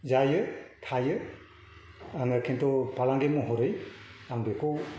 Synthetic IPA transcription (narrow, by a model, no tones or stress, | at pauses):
zajɯtʰajɯ | aŋakʰentɔpalaŋɡemɔɦɔɾɯjaŋdekʰɔ